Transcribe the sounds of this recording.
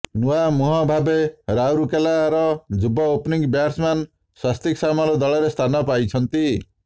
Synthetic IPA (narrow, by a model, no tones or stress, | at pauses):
nuwamuɦɔbʱabeɾawɾukelaɾʌd͡ʒubɔopniŋbjaɾsman | sast̪iksamalod̪ɔlɔɾest̪ʰanɔpajt͡sʰʌnt̪i